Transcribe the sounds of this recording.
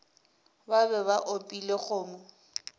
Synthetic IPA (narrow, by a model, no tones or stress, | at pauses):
babɛβaʔopʼileχʊːmʊ